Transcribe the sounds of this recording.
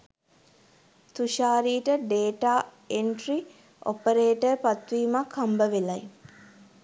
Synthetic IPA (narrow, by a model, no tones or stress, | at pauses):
t̪uʃaːɾiːʈəɖeːʈaː | eɳʈri | ʔo̰pəɾeːʈəpat̪ʋiːmakʰhambəʋelaj